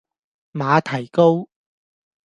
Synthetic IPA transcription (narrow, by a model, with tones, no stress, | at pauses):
maː˨˧t̪ʰɐ˨˩jko˥w